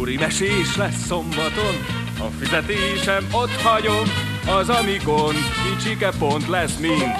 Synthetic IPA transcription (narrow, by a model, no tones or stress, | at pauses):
ɾimɛʃeːʃlɛsːo̞mbɒt̪o̞n | ɒ̰fizɛt̪eːʃɛmot̪hɒɟom | ɒzɒmikonkit͡ʃikɛpo̞nt̪lɛsmin